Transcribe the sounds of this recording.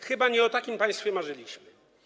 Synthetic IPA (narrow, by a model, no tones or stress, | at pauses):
xɘbaɲɛɔt̪akʲimpãj̃st̪fʲjɛmaʐɘlʲiɕmɘ